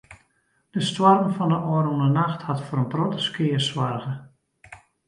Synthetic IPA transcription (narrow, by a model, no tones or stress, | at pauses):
d̥əstwarmfɔndəʔɔɾunənaxthatfoːɾənprotəskɪːərswarɣə